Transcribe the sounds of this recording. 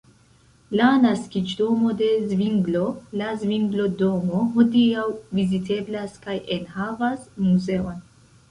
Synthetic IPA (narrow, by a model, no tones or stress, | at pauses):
lanaskid͡ʒdo̞mo̞de̞zviŋɡlo̞lazviŋɡlo̞do̞mo̞ɦo̞diawvizitʰe̞blaskajʔenhavasmuze̞on